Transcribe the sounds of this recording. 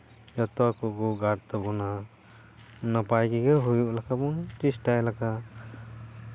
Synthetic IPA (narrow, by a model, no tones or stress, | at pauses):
jɔt̪ɔkɔɡɔɡaɾt̪ɔbɔna | napajɡiɡɔɦujuʔlakʰabɔŋt͡ʃisʈajlakʰa